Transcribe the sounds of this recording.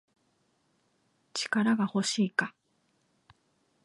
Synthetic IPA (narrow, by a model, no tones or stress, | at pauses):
t͡ɕi̥kaɾaɡaho̞ɕiːka